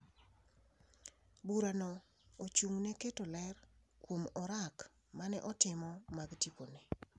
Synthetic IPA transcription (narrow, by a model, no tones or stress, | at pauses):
buɾanɔ | ot͡ʃuŋneketolɛr | kwomɔɾak | manɛʔɔtɪmɔmaɡtikone